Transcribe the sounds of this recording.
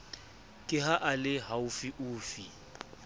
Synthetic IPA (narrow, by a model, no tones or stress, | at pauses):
kʼɪɦaʔalɪɦaufiʔuːfi